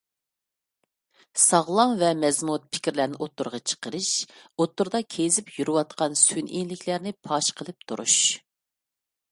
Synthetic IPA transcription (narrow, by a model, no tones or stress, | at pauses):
sɑʁlˠɑŋvɛmɛzmut̪̚pʰɪ̥kʲiɾlæɾnɪʔot̪ːuɾʁɑt͡ʃʰə̥qəɾɨʃot̪ːuɾd̪ɑkʲʰezɪpjyɾɨwɑt̪̚qɑnsynḭnlɪkʲʰlæɾnɪpʰɑʃqʰəlˠɨp̚t̪ʰṵɾṵʃ